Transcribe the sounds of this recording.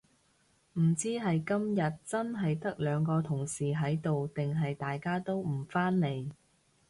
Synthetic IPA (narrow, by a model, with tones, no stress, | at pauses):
m̩˨˩t͡siː˥ɦɐ˨jkɐ˥mjɐ˨t̚t͡sɐ˥nɦɐ˨jt̪ɐ˥k̚lœː˨˧ŋkɔː˧t̪ʰʊ˨˩ŋsiː˨˩ɦɐ˨˥jt̪o˨wt̪ɪ˨ŋɦɐ˨jt̪aː˨jkaː˥t̪o˥wm̩˨˩faː˥nle˨˧j